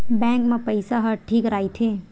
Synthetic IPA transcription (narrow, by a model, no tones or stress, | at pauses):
bɛ̃ːŋkmẽpəɪsaɦəʈʰiːkɾaːit̪ʰeː